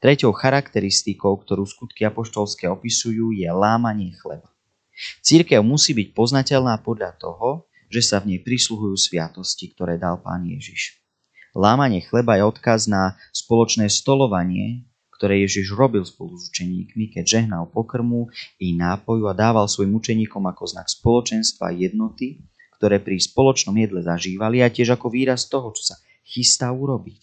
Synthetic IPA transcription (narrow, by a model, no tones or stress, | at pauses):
t̪ɾɛcɔʊxaɾakt̪ɛɾist̪ikɔʊk̚t̪ɔɾuːskut̪kiapɔʃt̪ɔlskɛːɔpisujuːjɛlaːmaɲɪɛxlɛ̰ba | t͡siɾkɛʊmusiːbic̚pɔznacɛʎnaːpɔd̪ʎat̪ɔ̰ɦɔ | ʒ̥ɛsavɲɛjpɾisluɦujuːsʋɪat̪ɔscikt̪ɔɾɛːd̪alpa̰ːnjɛ̰ʒiʃ | laːmaɲɪɛxlɛbajɛɔt̪kaznaspɔlɔt͡ʃnɛːst̪ɔlɔʋaɲɪɛ̰ | kt̪ɔɾɛːjɛʒiʒɾɔbilspɔluzut͡ʃɛɲḭːkmikɛɟʒɛɦnalpɔkr̩muinaːpɔjuad̪aːʋalsʋɔjimut͡ʃɛɲiːkɔmakɔzna̰kspɔlɔt͡ʃɛnst̪ʋa̰jɛd̪̚nɔt̪i | kt̪ɔɾɛːpɾispɔlɔt͡ʃnɔmjɛd̪lɛzaʒiːʋaliacɪɛʒakɔʋiːɾast̪ɔɦɔt͡ʃɔ̥sa | xist̪aːuɾɔbic